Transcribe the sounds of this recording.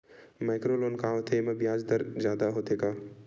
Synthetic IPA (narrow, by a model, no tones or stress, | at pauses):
maːkɾoloːnkaːt̪ʰemebjaːd͡ʒd̪əɾd͡ʒjaːd̪aɦot̪eːkaː